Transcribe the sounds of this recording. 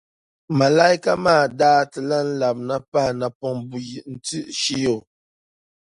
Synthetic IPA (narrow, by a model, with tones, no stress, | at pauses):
ma˨la˦jka˦maː˦˨daː˦tə˨la˦n̩˦la˨p̚na˨pa˦hna˨pɔ˨ŋbu˨ji˨ʔn̩˨tʉ˦˨ʔʃi˦jo˨